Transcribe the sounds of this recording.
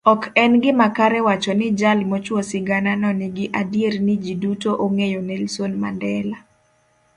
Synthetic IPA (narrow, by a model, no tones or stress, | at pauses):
ɔkɛnɡɪmakaɾɛwat͡ʃɔnɪd͡ʒalmot͡ʃwosɪɡananɔnɪɡɪʔadjeɾnɪd͡ʒidutoʔoŋejonelsonmandɛla